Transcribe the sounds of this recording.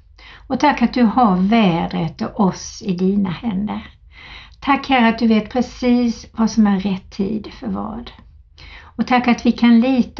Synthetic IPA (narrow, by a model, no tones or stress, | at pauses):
ɔt̪ʰakːat̪̚d̪ɵhaɾvɛːd̪ɾət̪ɔʔɔsɪd̪iːnahɛnd̪əɾ | t̪ʰakːhæɾəat̪̚d̪ɵveːt̪pʰɾɛsiːsvasɔmæɾɾɛt̪ʰːḭːd̪fœɾvɑ̰ːd̪ | ɔt̪ʰakːat̪vɪkʰanliːt̪